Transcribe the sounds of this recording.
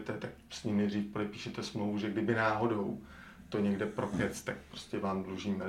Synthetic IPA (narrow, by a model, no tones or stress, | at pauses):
t̪ɛt̪ak̚sɲimnɛd̪riːfpodɛpiːʃɛt̪ɛsmlovuʒɛɡdɪbɪnaːɦo̞dow | t̪o̞ɲɛɡdɛpɾo̞kɛt͡st̪ak̚pɾo̥scɛvaːmdluʒiːmɛ